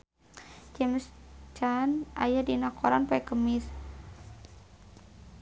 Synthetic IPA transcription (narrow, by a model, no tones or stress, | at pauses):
t͡ʃɛmst͡ʃanajadinakʰɔɾanpɛkəmɪs